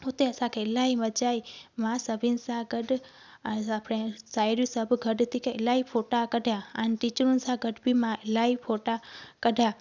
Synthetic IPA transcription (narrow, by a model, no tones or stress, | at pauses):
ɦʊt̪eəsãkʰeɪlaːimət͡ʃaːimãsəbʱinsãɡəɖ | apɽesaːjɾisəbɡʱəɖt̪ikʰeɪlaːipʰoʈakəɖʱjãənʈit͡ʃɾunsãɡəɖbʱimãɪlaːipʰoʈakəɖʱja